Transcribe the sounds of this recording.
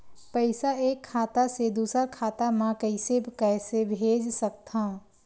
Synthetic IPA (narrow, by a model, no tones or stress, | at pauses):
pəɪsaeːkʰːaːt̪ased̪uːsəɾkʰaːt̪amãkəɪsekɛːsebʱeːd͡ʒsək̚t̪ã